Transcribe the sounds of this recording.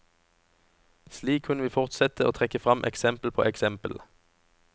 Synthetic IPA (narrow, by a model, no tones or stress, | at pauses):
sliːkʰʉnəʋiːfɔʁt̪sɛt̪əoːt̪ʰʁɛkəfʁɑmʔɛ̰ksɛmpl̩pʰo̰ːʔɛksɛmpəl